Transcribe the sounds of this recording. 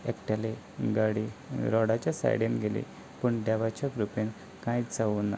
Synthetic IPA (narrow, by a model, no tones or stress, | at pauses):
ekʈale | ɡaɽiɾɔɽat͡ɕjasa̰jɽenɡʱelḭ | puɳɖaʋat͡ɕakɾupen | kãid͡zaʋuːnːa̰